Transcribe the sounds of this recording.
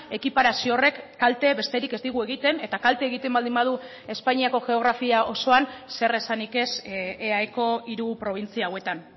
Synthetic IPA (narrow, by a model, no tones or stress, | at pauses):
e̞kipaɾasio̞re̞kːalt̪e̞βe̞st̪eɾike̞zd̪iɣ̞ue̞ɣit̪e̞ne̞t̪akalt̪e̞ːɣ̞it̪e̞mbald̪imbað̞u | e̞spaɲiako̞ʝe̞o̞ɣɾafiaʔo̞so̞anse̞re̞sanike̞seajko̞iɾupɾo̞β̞int͡siaːwe̞t̪an